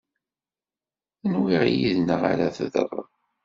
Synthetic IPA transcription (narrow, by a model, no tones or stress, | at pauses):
ənwiʁjiðnəʁa̰ɾæθəðə̰rˤ